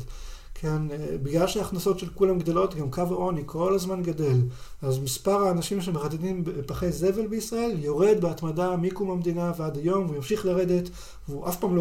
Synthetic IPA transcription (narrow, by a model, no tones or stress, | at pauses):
kʰenbiɡlalʃeaːχnaso̞tʃe̞lkulamɡd̪o̞lo̞t̪ɡamkavaʔo̞nikʰo̞lazmanɡade̞lazmispaʁaːnaʃimʃemeχat̪idimbepaχeze̞ve̞lbeisʁae̞ljo̞ʁe̞dbeat̪madamikumamd̪inavead̪ajo̞mvujamʃiχlaʁe̞d̪e̞t̪ | veuʔafpaːmlo